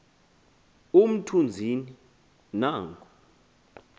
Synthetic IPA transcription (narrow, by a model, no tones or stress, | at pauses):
um̩tʰund͡zʱini | naːŋkʰʼɔ